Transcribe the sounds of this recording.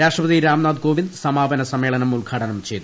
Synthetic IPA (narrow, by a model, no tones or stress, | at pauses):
ɾaːʂʈrɐpɐd̪iɾaːmnaːd̪ɡoːʋind̪sɐmaːbɐnɐsɐmːe̞ːɭɐnɐmulɡʱaːʈʰɐnɐmt͡ɕe̞jt̪ːu